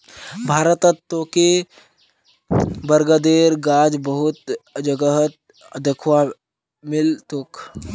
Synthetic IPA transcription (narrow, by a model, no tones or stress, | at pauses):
bʱaːɾət̪ət̪ːoːke | bəɾɡəd̪eːɾɡaːd͡ʒbəɦʊt̪d͡ʒəɡəɦət̪̚ | d̪əkʰwa | mɪlt̪oːk